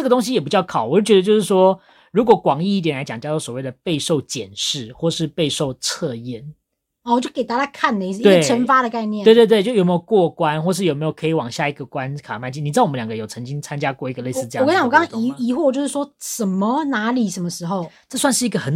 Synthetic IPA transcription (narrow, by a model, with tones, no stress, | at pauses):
ʈ͡ʂə˥˩ɡə˩t̪o˥ŋɕ̬i˥jɛ˨˩p̬i˨˥t͡ɕjɑ˥˩ʊkʰɑ˨˦ʊwɔ˨˩˥t͡ɕɥɛ˧d̪ə˧t͡ɕjo˥˧ʊʂɻ̩˥˩ʂwɔ˥ | ɻu˧˥kwɔ˨˩kwɑ˨˩ŋi˥˧˥t̪jɛ˨˩nla˧˥ɪt͡ɕɑ˨˩ŋt͡ɕjɑ˥˧ɔ˥˩swɔ˨˩we˥˩ɪd̪ə˩pe˥˧ɪʂo˥˧˩ʊt͡ɕjɛ̰˨˩nʂɻ̩˥˩xwɔ˥˧˩ʂɻ̩˥˧pe˥˧ɪʂo˥˧ʊt͡sʰɤ˥˧jɛ˥˩n˨˩ | wɔ˨˩t͡ɕjo˥˩kt̪a˥˧t͡ɕa˥kʰa˥˩nlə˨˧i˥˧s̩˥˧˥we˥ɪ˩ə˧˥nfa˥ɾə˨ka˥˧ɪnjɛ˥˨e˥˧t̪we˥˧t̪t͡ɕo˥˩jme˦˥jo˨˩˨ʊkwɔ˥˨˩kwa˦nxwɔ˥˩˧ʂɻ̩˥˩o˨˩me˧˥ɪjo˨˩kʰɤ˧˥i˨wɑ˨˩ŋɕja˥˧˩i˧˥ɡə˩kwa˦nkʰa˨˩˨ma˥˧ɪt͡ɕi˥˧ni˨˩t͡swɔ˨˩ə˦ljɑ˨˩ŋɡə˦jo˨˩ʊt͡sʰɤ˧˦ŋt͡ɕi˦ŋt͡sʰa˥˦nt͡ɕja˦kwɔ˥˩i˧˥ɡə˧le˥˩ɪs̩˥˧˥kɑ̃˨wɔ˨kɑ˥ŋi˧˥i˧˥xwɔ˥˩˨t͡ɕjo˥˧ʊʂɻ̩˥˩ʂwɔ˥ʂə˨˩mə˨na˧˥li˨˩ʂə˧˥mə˧ʂɻ̩˧˥xo˥˩ʊʈ͡ʂɤ˥˧swa˥˧nʂɻ̩˥˩i˧˥ɡə˨xə˨˥n